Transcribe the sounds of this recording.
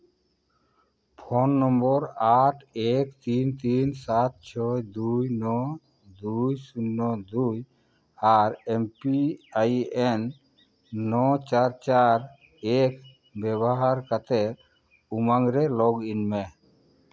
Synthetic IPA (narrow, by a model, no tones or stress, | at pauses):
pʰɔnːɔmbɔɾaʈʰɛkt̪int̪insat̪̚t͡ʃʰɔjd̪ujnɔ | d̪ujsunːɔd̪uj | aɾempiajɛnː | ɔt͡ʃaɾt͡ʃaɾ | ɛk | bɛβɔɦaɾkat̪ɛɾ | umaŋɾɛlɔɡinmɛ